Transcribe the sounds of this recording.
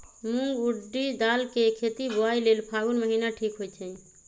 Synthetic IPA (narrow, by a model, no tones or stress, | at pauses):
muŋɡuɖːid̪alkekʰet̪iboailelpʰaɡunməɦinaʈʰikɦojt͡ʃʰɛ̃